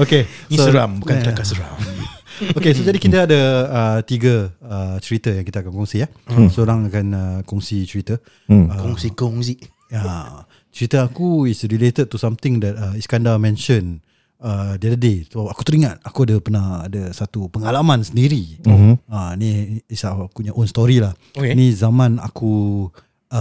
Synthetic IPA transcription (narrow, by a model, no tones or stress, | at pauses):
okesoɾambukaəakasəɾam | okesod͡ʒadikit̪əadəət̪iɡəət͡ʃəɾit̪əjãŋkit̪aːkankɔŋsia | səoɾaŋakanəkɔŋsit͡ʃəɾit̪ə | əkɔŋsikɔŋziʔ | a | t͡ʃəɾit̪əakuisɾilet̪əd̚t̪usamt̪ɪ̃ŋdɛt̪̚əiskandamɛ̃nʃən | ədiadədesaku̥t̪əɾiŋãn̚akuadəpənahadəsat̪upəŋalamãnsəndiɾi | əniːsakuɲaʔonst̪ɔɾilah | okenizamãna̰ku